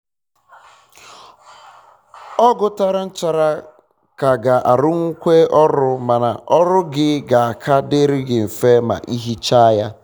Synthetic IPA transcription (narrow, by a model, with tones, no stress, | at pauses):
ɔ˦ɡʊ˨ta˦ɾa˦n̩˦t͡ʃa˨ɾa˦ | ka˨ɡa˨ʔa˨ɾʊ˦ŋ̩˦kʷe˦ʔɔ˦ɾʊ˦ma˨na˨ʔɔ˦ɾʊ˦ɡɪ˦ɡa˨a˨kʰa˦de˦ɾɪ˦ɡɪ˨m̩˨fe˦ma̰˨ʔi˦ɦi˦t͡ʃa˦ja˦